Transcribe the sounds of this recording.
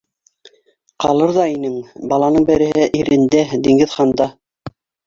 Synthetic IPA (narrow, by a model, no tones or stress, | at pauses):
qɑlˠɤɾðɑinɘŋbɑlˠɑnɤɴbɘ̆ɾɘ̆hɘʔiɾɘ̆nd̪æd̪iŋɡɘðχɑnd̪ɑ